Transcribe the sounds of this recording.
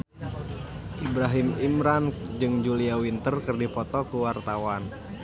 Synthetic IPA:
ʔibɾaɦimimɾand͡ʒɨŋd͡ʒuliawint̪ərkɨrdipɔt̪ɔkuwart̪awan

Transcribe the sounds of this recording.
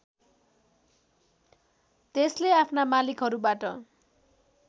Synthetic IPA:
t̪esleapʰnamalikɦʌɾubaʈʌ

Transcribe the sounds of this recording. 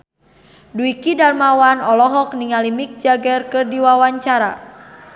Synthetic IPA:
duikidalmawanɔlɔɦɔk̚niŋalimik̚d͡ʒaɡɛrkɨrdiwawaɲt͡ʃaɾa̰

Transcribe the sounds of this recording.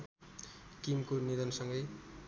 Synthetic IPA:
kimkonid̪ʌnsʌŋɡʌj

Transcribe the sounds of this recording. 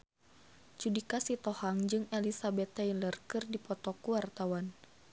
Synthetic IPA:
t͡ʃudikasit̪ɔhaŋd͡ʒɨŋɛlisabɛt̪ːɛilərkɨrdipɔt̪ɔkuwart̪awan

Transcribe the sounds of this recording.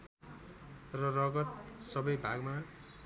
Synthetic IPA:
rʌrʌɡʌt̪̚sʌbʌjbʱaɡma

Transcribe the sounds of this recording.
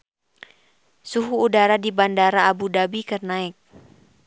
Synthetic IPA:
suɦuːdaɾadibandaɾaːbudabikərnaɪk̚

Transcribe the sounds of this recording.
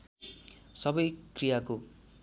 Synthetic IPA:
sʌbʌjkrijako

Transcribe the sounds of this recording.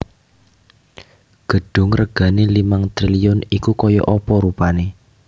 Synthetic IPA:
ɡ̥ə̤ɖ̥ʊ̤ŋrəɡ̥a̤nelimaŋt̪ɾiliʊnikukɔjɔ̰ʔɔpɔɾupane

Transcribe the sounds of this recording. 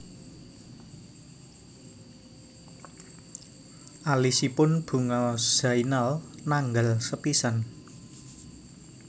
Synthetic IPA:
ʔalisipʊnb̥ṳŋaz̥ainalnaŋɡalsəpisan

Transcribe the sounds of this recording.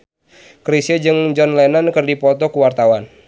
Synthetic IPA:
kɾisəd͡ʒɨŋd͡ʒɔnlɛnankɨrdipɔt̪ɔkuwart̪awan

